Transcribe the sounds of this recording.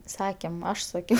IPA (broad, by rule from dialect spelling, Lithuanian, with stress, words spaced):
ˈsɑːkʲeːm ˈɐʃ sɐˈkʲɛʊ